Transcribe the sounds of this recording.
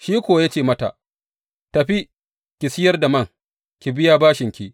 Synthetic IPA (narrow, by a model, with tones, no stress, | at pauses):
ʃiː˦kʷoː˨˦jaː˦t͡ʃeː˦˨mɐ˦ta̰˨ʔ | tɐ˨ɸi˦ | kʲɪ˨sɪ˦jɐ˦rda˨mɐ˦˨ŋ | kʲi˨bɪ˦jaː˦baː˦ʃɪ˨ŋkʲi˦ʔ